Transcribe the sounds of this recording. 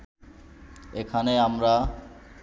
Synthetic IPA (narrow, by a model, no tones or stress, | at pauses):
ekʰaneamɾa